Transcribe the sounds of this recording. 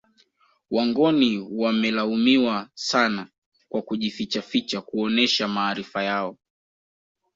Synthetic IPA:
waŋɡɔniwamɛlaumiwasana | kwakuʄifit͡ʃafit͡ʃakuɔnɛʃamaːɾifajaɔ

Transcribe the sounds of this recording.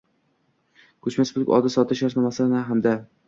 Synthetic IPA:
kʰɵt͡ʃmasbʊkʲɒ̰d̪ɪsɒt̪ʰɪʃaɾsnamasanaɦamd̪a

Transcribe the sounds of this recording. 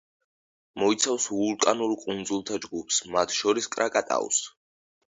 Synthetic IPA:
mɔit̪sʰafsvult̪ʼanulkʼund̪zulˠt̪ʰad͡ʒɡupʰsmat̪ʰʃɔɾiskʼɾʔakʼat̪ʼa̰ṵs

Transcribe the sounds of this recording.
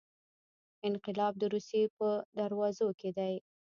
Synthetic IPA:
ɪnqɪlɑb̚d̪əɾusjepəd̪aɾwɑzoked̪aj

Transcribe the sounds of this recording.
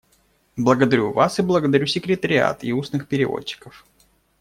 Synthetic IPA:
blˠəɡəd̪ɐɾʲuvasɨblˠəɡəd̪ɐɾʲusʲɪkɾʲɪt̪əɾʲɪa̰t̪iusnɨxpʲɪɾʲɪvo̰t͡ɕːɪ̥kəf

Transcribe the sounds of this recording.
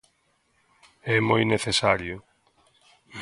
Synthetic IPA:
ɛmojneθesaɾjʊ

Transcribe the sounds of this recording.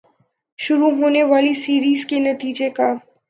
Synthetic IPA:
ʃʊɾuɦoːneʋaːlisiːɾiːzkenɐt̪iːd͡ʒeka

